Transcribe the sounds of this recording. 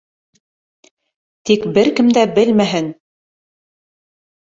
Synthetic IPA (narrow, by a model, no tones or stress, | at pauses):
t̪ikbɘɾkɘ̆md̪æbɘlmæɦɘn